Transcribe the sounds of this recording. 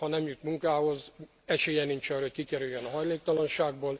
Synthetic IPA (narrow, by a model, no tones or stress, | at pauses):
hɒnɛmjut̪muŋkaːho̞z | ɛʃeːjɛnint͡ʃɒrockikɛɾyjjɛnɒɦɒjleːk̚t̪ɒlɒnʃaːɡboːl